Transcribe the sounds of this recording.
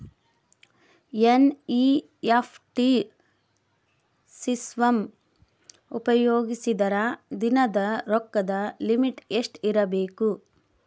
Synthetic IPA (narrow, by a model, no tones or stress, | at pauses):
jeni | epʰʈi | sisʋɐm | upɐjoːɡisid̪ɐɾad̪inɐd̪ɐɾɔkːɐd̪ɐlimiʈeʂʈiɾɐbeːku